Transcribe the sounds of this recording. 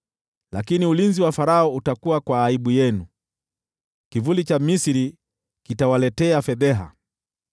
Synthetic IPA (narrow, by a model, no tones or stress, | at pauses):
lakiniulinziwafaɾaɔutakuwakwaːiɓujɛnu | kivulit͡ʃamisiɾi | kitawalɛtɛafɛðɛɦa̰